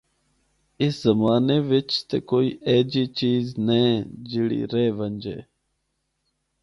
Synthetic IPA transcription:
ɪszəmaːneːʋɪt͡ʃt̪ekoːiːeːd͡ʒiːt͡ʃiːznẽːd͡ʒɪɽḭːɾeːʋənd͡ʒḛː

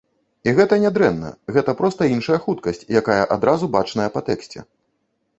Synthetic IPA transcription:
iɣɛt̪ɐnʲad̪ɾɛnːɐ̰ɣɛt̪ɐpɾɔst̪ɐinʂɐjɐxut̪kɐsʲt͡sʲjakajɐʔad̪ɾazubat͡ʂnɐjɐpat̪ɛksʲt͡sʲɛ̰

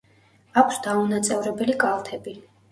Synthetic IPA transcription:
akʷʰsd̪aunat̪sʼɛvɾɛbɛlikʼalˠt̪ʰɛbi

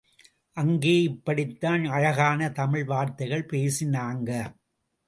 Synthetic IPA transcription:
ʔɐŋɡeːɪpːɐɽɪt̪ːaːnɐɻɐɣaːnɐt̪ɐmɪɻʋaːɾt̪ɐɪɣɐɭpeːsɪnaːŋɡɐ

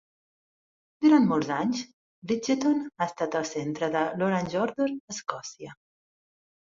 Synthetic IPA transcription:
d̪uɾant̪molˠzaɲs | bɾid͡ʒet̪onaəst̪at̪əlˠsent̪ɾəðəloɾanʒɔɾðoɾəskɔsiə

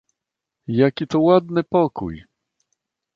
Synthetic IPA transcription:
jakʲit̪ɔwad̪nɘpɔkṵj

